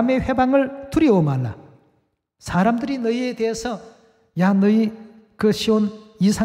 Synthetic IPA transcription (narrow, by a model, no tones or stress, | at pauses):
me̞ɸebaŋɯɭtuɾjʌomaɭːa̰ | sʰaɾamdɯɾinʌie̞d̪e̞esʰʌ | janʌi | kɯɕʰionisʰa